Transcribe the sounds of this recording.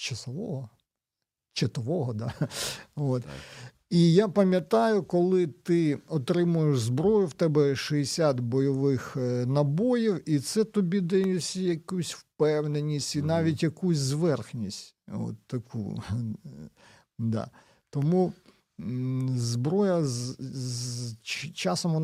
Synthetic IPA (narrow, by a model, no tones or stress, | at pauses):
t͡ʃɐsɔʋɔɦɔ | t͡ʃɐt̪ɔʋɔɦɔd̪ɑ | ot̪ | ijapɐmʲjɐt̪ɑjʊkɔlˠɪt̪ɪɔt̪ɾɪmʊjeʃzbɾɔjʊwt̪ɛbɛʃɛesʲat̪bɔjɔʋɪxnɐbojiwit̪sɛt̪ɔbʲid̪ɛjʊsʲijɐkusʲwpɛwnenʲisʲtʲinɑʋʲitʲjɐkusʲzʋɛrxnʲisʲtʲo̰t̪ːɐkʰṵ | d̪ɑ̰ | t̪ɔmu | zbɾɔjɐz | t͡ʃɑsɔmɔn